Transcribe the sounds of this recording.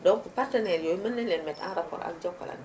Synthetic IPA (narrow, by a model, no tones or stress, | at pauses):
dɔŋkupartənɛɾjojmənːɛnlɛnmɛta̰nrapɔ̰ːɾa̰k̚d͡ʒɔkːa̰lʔa̰n